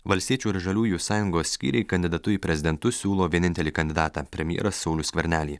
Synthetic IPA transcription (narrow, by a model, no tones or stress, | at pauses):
ʋɐlʲst̪ʲiɛt͡ʃʲuːɪɾʒɐlʲuːjusɑːjʊŋɡoːsʲsʲkʲḭːɾʲɛɪkɐnʲd̪ʲɪd̪ɐt̪ʊiːpʲɾʲɛzʲɪd̪ʲɛnt̪ʊsʲuːlˠoːʋʲiɛnʲɪnʲt̪ʲɛlʲiːkɐnʲd̪ʲɪd̪ɑːt̪ɑːpʲɾʲɛmʲɪjɛ̰ɾɐsːɐʊlʲʊsʲkʲʋʲɛɾʲnʲæːlʲiː